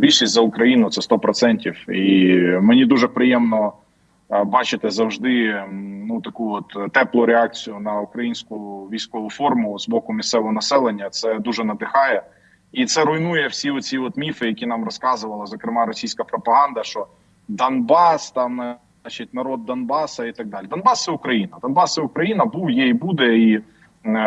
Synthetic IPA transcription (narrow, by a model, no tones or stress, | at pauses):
bʲilʲʃisʲtʲzɐʊkɾɐjinʊt̪sɛst̪ɔpɾɔsɛnʲtʲiwimenʲid̪uʒɛpɾɪjɛmnɔ | bɑt͡ʃɪt̪ɪzɐwʒd̪ɪnut̪ɐkuɔt̪t̪ːɛplˠʊɾeɑk̚t͡sʲijʊnɐukɾɐjinʲsʲkʊʋʲijsʲkɔʋʊfɔrmʊʊzbɔkʊmʲist̪sɛʋɔɦɔnɐsɛlˠenʲːɐt̪sɛd̪uʒɛnɐd̪ɪxɑjɛ | it̪sɛɾʊjnujɛwsʲiɔt͡sʲiɔt̪mʲifɪjɐkʲinɑmrɔskɑzʊʋɐlˠɐzɔkɾɪmɑɾɔsʲijsʲkɐpɾɔpɐɦɑnd̪ɐʃt͡ʃɔ | d̪ɐnbɑst̪ɑm | ɑt͡ʃit̚ʲnɐɾɔd̪̚ːɐnbɑsɐit̪ɐɡ̚d̪ɑlʲid̪ɐnbɑst̪ɛukɾɐjinɐd̪ɐnbɑst̪sɛʊkɾɐjinɐbuwjejbud̪ɛi